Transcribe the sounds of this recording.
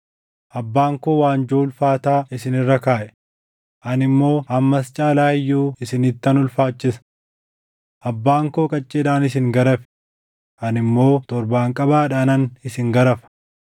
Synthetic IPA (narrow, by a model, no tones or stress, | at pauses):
ʔɐbːaːŋkoːwaːnd͡ʒoːlfaːt̪aːʔɪsɪnɪrːɐkaːʔɛ | ʔɐnɪmːo̞ːhɐmːɐst͡ʃʼaːlaːɪjːuːɪsɪnɪt̪ːɐnʊlfaːt͡ʃːɪsɐ̥ | ʔɐbːaːŋkoːkʼɐt͡ʃʼːeːᶑ̪aːnɪs̬ɪŋɡɐɾɐfɛ̥ | ʔɐnɪmːo̞ːt̪ɔɾbaːŋkʼɐbaːᶑaːnɐnɪsɪŋɡɐɾɐfɐ̥